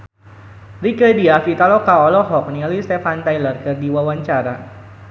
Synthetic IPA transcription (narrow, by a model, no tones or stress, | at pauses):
rikədiafit̪alɔkaɔlɔɦɔk̚nialist̪ɛfant̪ajlərkɨrdiwawaɲt͡ʃaɾa